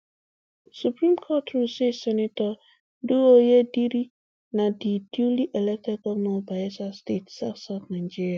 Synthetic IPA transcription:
supɾĩmkʰɔtɾusesɛnɪtɔ | duojediɾi | nadidjuliʔɛlɛk̚tɛkɔmɔbaɛsastetsaksaknãd͡ʒiɾia

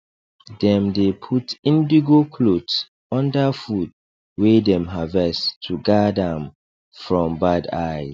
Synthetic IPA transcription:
dɛ̃mdepʰutĩndiɡokʰlots | ɔ̃ndafud̚ | wedɛ̃mɦavɛstʰuɡadãm | fɹɔ̃mbadaɪ

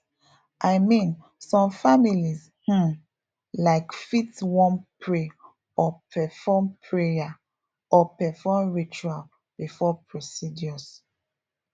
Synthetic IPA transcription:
ʔaɪmĩn | sɔ̃mfamiliz | hũm | laɪkfitwɔ̃npʰɹe | ɔpʰɛfɔmpʰɹeja | ɔpɛfɔmɹit͡ʃual | b̥ifɔpʰɹosidjɔs

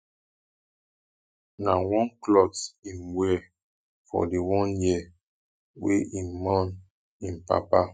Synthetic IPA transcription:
nawɔ̃nklɔkĩnwɛ | fɔ̰dewɔ̃njiɛ | wḛʔinmɔ̃n | ĩnpa̰pa

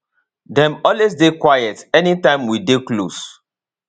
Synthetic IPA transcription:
dɛ̃mɔlwesdekwajɛtɛnitãɪ̃mwideklos

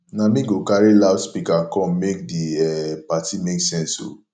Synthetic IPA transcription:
nãmĩɡokaɾelaʊspikakɔ̃mek̚diɛpatimeksɛ̃nso̰

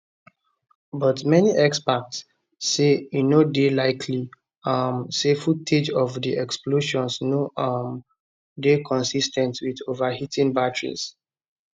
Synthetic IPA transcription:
bɔtmɛniʔɛkspak̚tsː | einodelaɪkʰli | amsefutʰed͡ʒɔvdiʔɛksploʃɔ̃nsnoʔam | dekʰɔ̃nsistɛ̃ntwidovahitĩnbatɹḭs

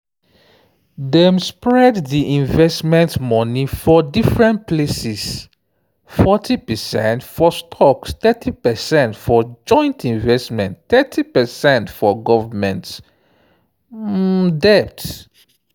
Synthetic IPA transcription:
dɛ̃mspɹɛdðiʔĩnvɛstmɛ̃ntmɔ̃nifɔdifɹɛ̃ntplesɛs | fɔtʰipɛsɛ̃ntfɔstʰɔkstɛtʰipɛsɛ̃ntfɔd͡ʒɔ̃ɪ̃ntʰĩnvɛstmɛ̃ntθɛtʰipɛsɛ̃ntfɔɡɔvəmɛ̃nt | dɛp̚t

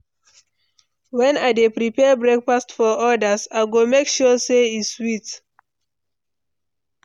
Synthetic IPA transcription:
wɛ̃naɪdepɹipɛbɹɛk̚fastfɔʔɔdəsaɪɡomekʃɔseiswit

